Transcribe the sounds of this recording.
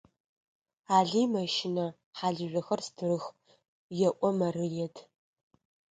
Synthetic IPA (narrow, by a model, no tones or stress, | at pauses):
aːɮiːmɐʃɪnɐ | ħaːɮɨʒᶣʷɐxɐrstʰɨrɨx | jɛʔʷʼɔmɐrɨjɛtʰ